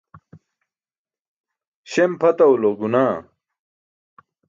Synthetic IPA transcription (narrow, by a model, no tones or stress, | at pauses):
ɕempʰɐt̪ɐuloɡunaː